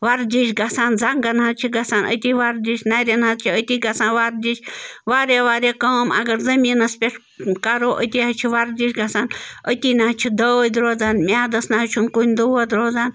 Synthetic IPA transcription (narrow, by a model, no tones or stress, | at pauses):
ʋɐɾd̪ʲiʃɡɐsaːnzaŋɡɐnɦɐt̪t͡ʃʰiɡɐsaːnə̰t̪iʋaɾd̪ʲiʃʲnɐɾʲɐnɦɐt̪t͡ʃʰiət̪iɡɐsaːnʋaɾd̪ʲit͡ʃʰʲʋaːɾeːʋaːɾeːkɐːmɐ̰ɡɐɾzɐmiːnɐspʲeʈ | kɐɾoːʔə̰t̪iɦɐt͡ʃʰiʋɐɾd̪ʲiʃʲɡɐsaːnət̪iːnaɦt͡ʃʰid̪ɐd̪ɾoːd͡zaːnmʲaːd̪ɐsnaɦɐt͡ʃʰunkunʲd̪uʋɐd̪ɾoːd͡zaːn